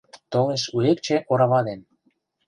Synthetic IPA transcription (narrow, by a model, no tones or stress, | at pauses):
t̪oleʃuekt͡ɕĕʔoɾɑβɑd̪en